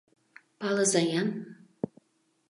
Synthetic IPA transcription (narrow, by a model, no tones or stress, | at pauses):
pɑlɤzajan